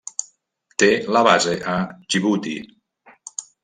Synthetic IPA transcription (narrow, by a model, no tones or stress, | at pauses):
t̪elaβazeʔaʒiβut̪i